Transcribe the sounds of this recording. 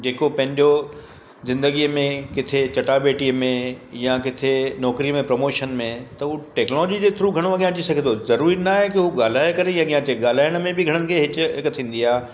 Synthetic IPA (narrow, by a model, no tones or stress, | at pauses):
d͡ʑeːkopɐ̃ɦɪ̃ɲd͡ʑo | zɪ̃nd̪əɡiəmẽkɪt̪ʰet͡ɕɐʈabeːʈiəmẽjakɪt̪ʰenɔːkɾijəmẽpɾɐmoːʃənmẽt̪ɐɦuʈɛːknlɔd͡ʑid͡ʑeːt̪ʰɪɾuɡʱɐɽ̃oɐɡijãɐt͡ɕisɐɡʱẽd̪ozɐɾuːɾinaːɦekiɦuɠaːl̤aːjkɐɾejãɠijãt͡ɕeɠaːl̤aːɪjəɽ̃̆mẽbɪɡʱɐɽ̃ənɪ̆kʰeːɦɪt͡ɕʊ̆ɦɪkt̪ʰĩːn̆d̪iaːɦ